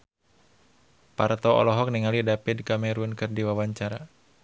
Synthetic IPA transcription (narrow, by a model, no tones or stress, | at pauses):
part̪ɔɔ̰lɔɦɔk̚niŋalidapɪdkamɛɾunkɨrdiwawaɲt͡ʃaɾa